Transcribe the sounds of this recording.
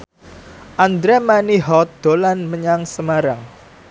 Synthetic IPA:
ʔand̪ɾɛmaniɦɔt̪̚d̪̥olanməɲaŋsəmaɾaŋ

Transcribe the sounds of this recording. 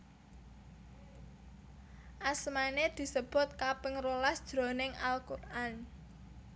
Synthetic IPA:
ʔasmaned̪̥i̤səb̥ʊ̤t̪̚kapɪŋrolasd̥ʒ̥ɾo̤nɪŋʔa̰lkurʔan

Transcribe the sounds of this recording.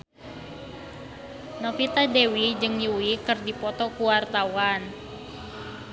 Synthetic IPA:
nɔfit̪adewid͡ʒɨŋjuikɨrdipɔt̪ɔkuwart̪awan

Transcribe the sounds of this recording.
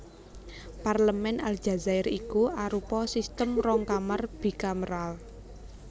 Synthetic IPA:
parləmɛnald̥d͡ʒ̥a̤zaɪɾikuaɾupɔsist̪əmrɔŋkamarb̥i̤kaməɾal

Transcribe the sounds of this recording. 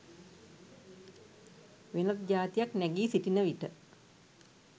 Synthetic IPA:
ʋenət̪̚d͡ʒaːt̪ijaknɛɡiːsiʈinəʋiʈə

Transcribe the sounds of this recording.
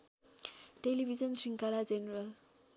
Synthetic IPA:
ʈelibʱizʌnsiŋkaɾad͡ʒenɾal

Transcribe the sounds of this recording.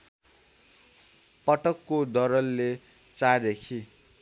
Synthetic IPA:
pʌʈʌkːod̪ʌɾʌlːe | t͡sad̪ekʰi

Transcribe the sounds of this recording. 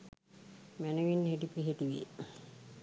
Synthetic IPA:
mænəʋinːɦeʈipiɦeʈiʋḭ

